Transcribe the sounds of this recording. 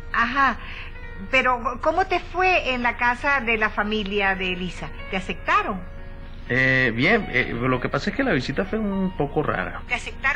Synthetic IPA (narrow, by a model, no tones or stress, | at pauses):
aɦa | pe̞ɾo̞ko̞mo̞t̪e̞fwe̞ːnlakasaðe̞lafamĩljaðeːlisa | t̪ease̞k̚t̪aɾo̞ŋ | ebje̞ŋḛlo̞kepasaeskelaβisit̪afwe̞unpo̞ko̞ra̰ɾa̰t̪easek̚t̪a